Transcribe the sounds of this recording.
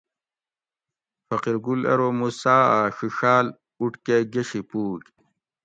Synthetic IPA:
fɐqiɾɡulḛɾomusaːaːʂiʂaːl | uʈkeɡeɕipuːk

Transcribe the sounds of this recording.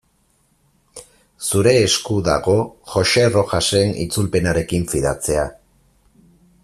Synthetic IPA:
suɾe̞ːskuða̰ɣo̞ʝo̞ʃe̞ro̞xase̞nḭt͡sulpe̞naɾe̞kiɱfiðat͡se̞a

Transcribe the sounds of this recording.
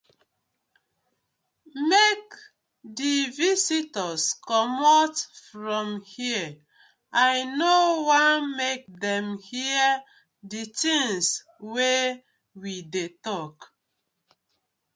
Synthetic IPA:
mek | divisitəskɔmɔtfɹɔ̃mhiə | ajnowamek̚dɛ̃mhiə | ditĩŋs | we | widetɔk

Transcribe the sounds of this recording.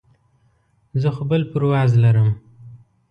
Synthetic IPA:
zəxʊbəlpəɾwɑzlaɾəm

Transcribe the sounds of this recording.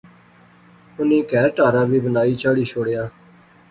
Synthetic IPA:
ʊnĩːkɛːɾʈaːɾãːʋiːbənaːiːt͡ʃaːɽiːt͡ʃʰoːɽejaː

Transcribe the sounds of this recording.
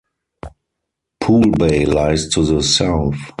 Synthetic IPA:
pʰuːlbeɪlaɪztʰuðəsaʊθ

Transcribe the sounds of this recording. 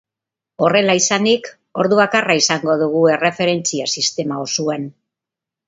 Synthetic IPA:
o̞re̞laisanik | o̞ɾðuβakaraisaŋɡo̞ðuɣ̞ue̞re̞fe̞ɾe̞nt͡siasist̪e̞maosuen

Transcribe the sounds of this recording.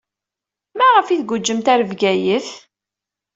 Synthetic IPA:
mæʁəfiθɡud͡ʒːəmt̪æɾəvɡæjəθ

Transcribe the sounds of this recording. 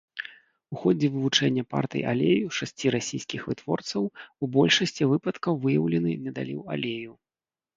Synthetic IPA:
uxɔd͡zʲɛvɨvut͡ʂɛnʲːɐpa̰rt̪ɨ̰jʔalʲḛjuʂasʲt͡sʲiɾasʲijskʲixvɨt̪vɔrt̪sɐwubɔlʲʂɐsʲt͡sʲivɨpɐt̪kɐwvɨjɐwlʲɛnɨnʲɛd̪a̰lʲḭwa̰lʲeju

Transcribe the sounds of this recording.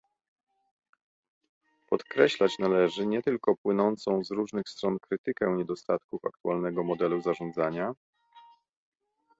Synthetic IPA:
pɔt̪kɾɛɕlat͡ɕnalɛʐɘɲɛt̪ɘlkɔpwɘnɔnt̪sɔ̃w̃zɾuʐnɘxst̪ɾɔnkɾɘt̪ɘkɛɲɛd̪ɔst̪at̪kufa̰k̚t̪ualnɛɡɔmɔd̪ɛluzaʐɔnd̪zaɲa

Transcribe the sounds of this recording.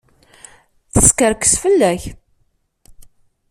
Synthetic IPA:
θəskəɾkə̥sfəlːæç

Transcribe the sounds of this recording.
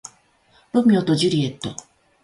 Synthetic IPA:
ɾomʲiot̪od͡ʑɨɾʲiet̪ːo

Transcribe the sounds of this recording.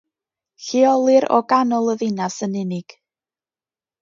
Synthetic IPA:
ɬiɔlˠɨɾɔ̰ɡanɔlˠəðɪnasənɪnɪɡ̥

